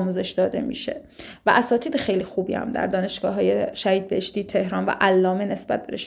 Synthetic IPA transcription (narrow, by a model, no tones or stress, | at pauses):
muːze̞ʃd̪ɒːd̪e̞mḭːʃe̞̰væʔæsɒːt̪ʰiːd̪exe̞jliːxuːbiːæ̰md̪æ̰ɾd̪ɒːne̞ʃɡ̥ɒːɦɒːjeʃæhiːd̪̚beheʃt̪iːt̪ʰe̞hɾɒːnvæ̰ʔælːɒːmene̞sbæt̪̚b̥e̞ɾeʃ